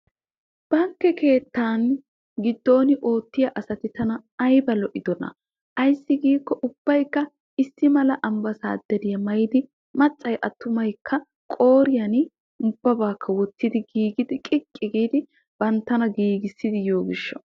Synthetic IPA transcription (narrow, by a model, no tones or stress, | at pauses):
b̥ɐŋkːɛke̞ːt̪ːaːn | ɡɪd̪ːo̞ːnɪʔo̞ːt̪ːɪjɐʔɐsɐt̪ɪt̪ɐnɐːjbɐlɔʔɪd̪ɔnɐ̰ | ʔɐjsːɪɡiːkːɔʔʊb̥ːɐjkːɐ | ɪsːɪmɐlɐʔɐmbɐsa̰ːd̪̥ɛɾɪjɐmɐjɪd̪ɪ | mɐt͡sʼːɐjʔɐt̪ːʊmɐjkʰːɐ | kʼo̞ːɾɪjɐnɪ | ʊb̥ːɐbaːkʰːɐwɔt̪ːɪd̪ɪɡiːɡɪd̪ɪkʼɪkʼːɪɡiːd̪ɪ | b̥ɐnt̪ːɐnɐɡiːɡɪsːɪd̪ɪjo̞ːɡɪʃːɔ̥